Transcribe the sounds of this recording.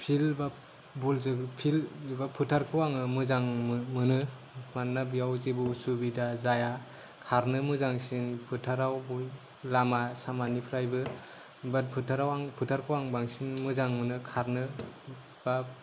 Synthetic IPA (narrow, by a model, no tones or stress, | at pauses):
pʰilba | bulzɯpʰilbapʰutʰaɾkʰɯwaŋɯmɯzaŋmmɯnɯ | mannːabijawzibusubidazaja | kʰaɾnɯmɯzaŋsinpʰɯtʰaɾawbu | lamasamanipʰɾajbɯ | bat̚pʰɯtʰaɾawaŋpʰutʰaɾkʰɯwaŋbaŋsinmɯzaŋmɯnɯkʰaɾnɯ | b̥a